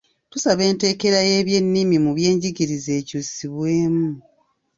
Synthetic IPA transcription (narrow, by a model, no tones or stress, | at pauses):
tusaβe̞ːnte̞ːke̞ɾaje̞ːβje̞nːimimuβje̞ːɲɟiɡiɾize̞ːcusiβwe̞ːmu